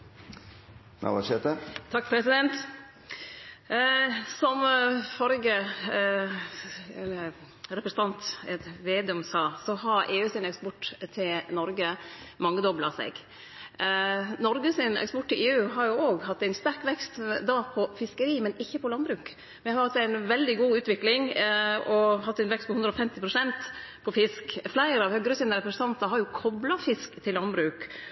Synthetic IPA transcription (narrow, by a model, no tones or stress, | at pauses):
ɑ̰ʋɑʃɛt̪ət̪ʰɑkːpʰɾɛsɪd̪ɛnt̪ | sɔmfɔɾɡə | ɾɛpɾəsəɑnt̪ɛt̪ʋeːd̪ɛʉmsɑːsɔɦɑɾeːʉːsɪnɛkspɔʈːt̪ʰɪlnɔɾɡəmɑŋːəd̪ɔblɑsḛːɡ | nɔɾɡəsɪnɛ̰kspɔʈt̪ɪlʔeːʉːɦɑɾjʊoːɡhɑt̪ːæɪnst̪æɾkʋɛkst̪d̪ɑpʰɔfɪskəɾiːmɛnɪçːəpʰɔlɑnbɾʉːk | mɛæhɑɾhɑt̪ːæɪnʋɛld̪ɪɡuːʉːt̪ʋɪklɪŋɔhɑt̪ːæɪnʋɛkst̪pɔhʉnd̪ɾəɔfɛmt̪ɪpʰɾʊsɛnt̪pʰɔfɪskflæɪɾəɑʋhœɡəɾəsiːnəɾɛpɾəsən̩t̪ʰɑnt̪ɑɦɑɾjʊkʰɔblɑfɪskt̪ʰɪlːɑnbɾʉːk